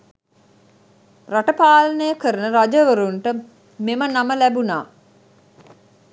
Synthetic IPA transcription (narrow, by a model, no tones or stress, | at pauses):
raʈəpaːlənəjəkəɾənəɾad͡ʒəʋəɾuɳʈə | memənaməlæbunaː